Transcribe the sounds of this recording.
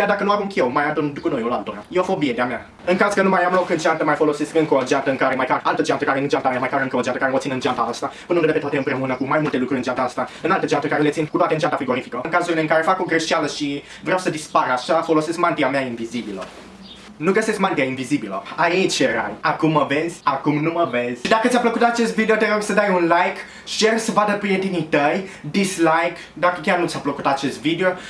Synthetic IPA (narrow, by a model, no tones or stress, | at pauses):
kʲjard̪akənuamuŋkʲewmajad̪und̪ukunojolalt̪oɾaeofo̞bied̪eamea | ɨŋkazkənumajamlo̞kɨnd͡ʒeant̪əmajfo̞lo̞se̞skɨŋkood͡ʒeant̪əɨŋkaɾemajkaɾalt̪əd͡ʒant̪əkaɾeɨnd͡ʒant̪amemajkaɾɨŋkəod͡ʒant̪əkaɾeot̪sinɨnd͡ʒant̪aast̪apunənd̪epet̪at̪eɨmpɾe̞unəkumajmult̪e̞lukɾuɾʲɨnd͡ʒant̪aast̪aɨnalt̪əd͡ʒant̪əkaɾelet̪sinkut̪oat̪eɨnd͡ʒant̪afɾiɡo̞ɾifikəɨŋkazuɾile̞ɨŋkaɾe̞fako̞ɡɾeʃialəʃi | vɾeawsəd̪ispaɾaʃafo̞lo̞se̞skmant̪iameainvizibilə̰ | nuɡəseskmant̪iainvizibilə̰ait͡ʃjeɾa̰jakumːəve̞zʲakumnuməvez̥ʲʃid̪akət̪sʲjapləkut̪at͡ʃe̞st̪vid̪eot̪eɾo̞ɡsəd̪ajunlajk | ʃiersəvad̪əpɾijet̪init̪əjd̪islajk | d̪akəkʲarnut̪sʲjapləkut̪at͡ʃe̞st̪vid̪eo̞